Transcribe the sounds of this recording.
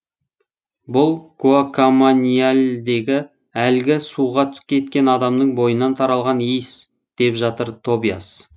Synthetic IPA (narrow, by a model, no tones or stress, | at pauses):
bʊlˠkʰuakʰomonʲijalʲd̪e̞ɡʲɪ | ælɡʲɪsuʁɑt̪ʰʏ̥skʲʰe̞t̪kʲe̞nɑd̪ɑmnəɴbo̞jənɑnt̪ʰɑɾɑlˠʁɑnejs | d̪̥e̞pʒɑt̪əɾt̪ʰo̞bija̰s